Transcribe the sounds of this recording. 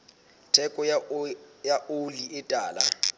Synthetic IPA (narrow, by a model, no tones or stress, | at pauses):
tʰɛkʼɔ | jaʔoliɪtʼaːla̰